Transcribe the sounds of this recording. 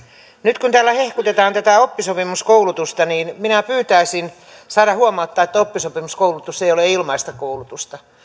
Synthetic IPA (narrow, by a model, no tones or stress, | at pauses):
nyt̪kunt̪æːlːæhehkut̪et̪ɑːnt̪æt̪æopːisopimuskoulut̪ust̪ɑniːnminæpyːt̪æisin | sɑːɾɑhuomɑut̪ːɑːet̪ːæopːisopimuskoulut̪usːeijoleilmɑist̪ɑkoulut̪ust̪ɑ